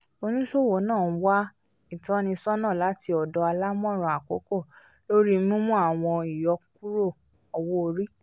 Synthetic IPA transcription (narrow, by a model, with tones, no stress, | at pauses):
o˧nĩ˦so˦˨wo˨˦nãː˦˨˦wa˦ | i˦˨tã˨˦nĩ˧sɔ˦nã˦˨la˨˦ti˧ɔ˨dɔ˧˦a˧la˦mɔ̃˦˨ɾ̃ɔ̃˨a˨ko˨˦ko˦˨ | lo˦ɾi˦mũ˦mũ˦a˦˨w̃ɔ̃˧i˨jɔ˨˧k̚u˦ɾo˦˨ | ɔ˨˧wo˦o˧ɾi˦